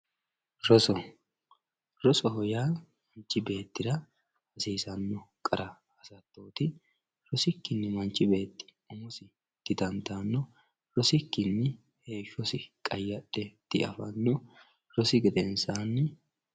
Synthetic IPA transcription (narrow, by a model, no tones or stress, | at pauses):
ɾɔsɔ | ɾɔsɔɦɔjaːmɐnt͡ʃːɪbe̞ːt̪ːɪd̪ɐ | hɐsiːsɐnːɔkʼɐɾɐ | ɐsɐt̪ːo̞ːt̪ɪ | ɾɔsɪkːɪnːɛmɐnt͡ʃʼːɪbe̞ːt̪ːɪ̥ | ʊmɔsɪ | d̪̥ɪd̪ɐnt̪aːnːɔ | ɾɔsɪkːɪnːɛ | he̞ːʃːɔsɪkʼɐjːɐɗɛt̪ːɪ̰ʔɐ̰fɐnːɔ | ɾɔsɪɡɪd̪ɛnsanːɛ